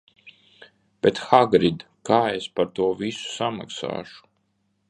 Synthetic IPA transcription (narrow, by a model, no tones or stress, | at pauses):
b̥ɛt̪xaɡɾid̪ | kaːespaɾt̪uɔvisu̥sama̰ksa̰ːʃu̥